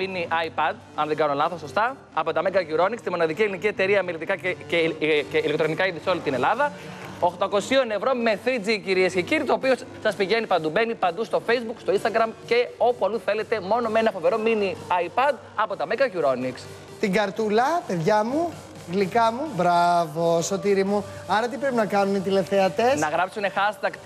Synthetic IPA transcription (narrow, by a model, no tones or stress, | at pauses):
miniʔɐjpɐd̪̚ | ɐnðeɡɐno̞lɐθoso̞st̪ɐ | ɐpo̞t̪ɐmeɡɐʝuɾo̞nikst̪imo̞nɐðicielinicie̞t̪e̞ɾiɐmelit̪ikɐeceeilekt̪ɾo̞nikɐiðiso̞lit̪inelɐðɐ | oxt̪ɐko̞sio̞ne̞vɾo̞me̞θid͡ziciɾiesceciɾit̪o̞ːpio̞sɐspiʝe̞nipɐnd̪ube̞nipɐnd̪ust̪o̞fe̞jzbukst̪oinst̪ɐɡɾɐmce̞o̞puɐluθe̞le̞t̪e̞mo̞no̞me̞nɐfo̞ve̞ɾo̞miniɐjpɐd̪ | ɐpo̞t̪ɐmeɡɐʝuɾo̞niks | t̪iŋɡɐɾt̪ulɐpe̞ðʝɐmu | ɣlikɐmubɾɐvoso̞t̪iɾimuɐɾɐt̪ipɾepinɐkɐnunit̪̬ile̞fθeɐt̪e̞snɐɣɾɐpsune̞xɐst̪ɐkt̪